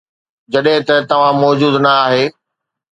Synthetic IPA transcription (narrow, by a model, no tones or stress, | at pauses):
d͡ʑɐɗɦɪ̃t̪ɐt̪ɐʋ̤ãmɔːd͡ʑuːd̪nɐaːɦeː